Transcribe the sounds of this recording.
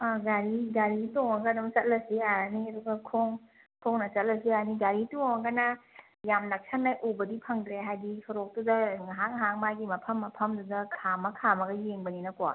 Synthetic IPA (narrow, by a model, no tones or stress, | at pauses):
aɡaɾiɡaɾitoŋaɡadɐmt͡ʃɐt̚lɐsiaɾaniɐduɡɐkʰoŋ | kʰoŋnɐt͡ʃɐt̚lɐsiaɾniɡaɾitoŋaɡana | jamnak̚sʰanːajʔubɐdipʰɐŋdɾeɦajdisɔɾok̚tudɐɦaŋɦaŋmajɡimɐpʰɐmːɐpʰɐmdudɐkʰamɐkʰamɐɡɐjeŋbɐninɐkoa̰